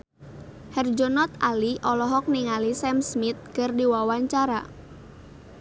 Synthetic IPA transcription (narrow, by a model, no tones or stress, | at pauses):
hɛrd͡ʒɔnɔt̪aliʔɔlɔɦɔk̚niŋalisɛmsmit̪̚kɨrdiwawaɲt͡ʃaɾa̰